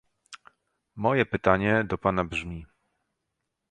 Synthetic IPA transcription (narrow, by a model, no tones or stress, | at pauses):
mɔjɛpɘt̪aɲɛd̪ɔpanabʐmʲi